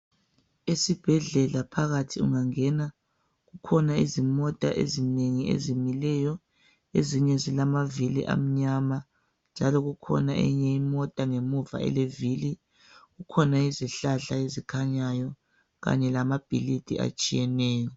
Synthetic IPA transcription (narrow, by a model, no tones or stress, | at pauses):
esib̥ʱɛɮɛlapʰaɣatʰiṵŋaŋɛna | ɣukʰɔnaizimɔtʼaʔḛzineŋiḛzimilɛjɔ | eziɲɛzilamavilḭʔa̰m̩ɲama | nd͡ʒʱalɔɣukʰɔ̰naʔḛɲɛimɔtʼaŋemuva̰ʔɛ̰levili | ɣukʰɔnaiziɬaɬaezikʰaɲajɔ | ɣa̰ɲɛlamab̥ʱilid̥ʼʱḭa̰t͡ʃʼijɛnɛːjɔ